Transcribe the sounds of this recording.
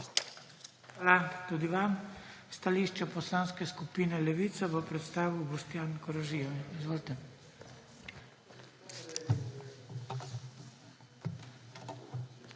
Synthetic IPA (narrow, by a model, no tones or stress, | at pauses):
xxʋaːlat̪uːd̪iʋamst̪aliːʃt͡ʃɛpɔslaːnskɛskupiːnɛlɛʋiːt̪saʋɔpɾɛt̪st̪aːʋibɔst̪jaːnkɔɾaʒijɔizʋoːlt̪ɛ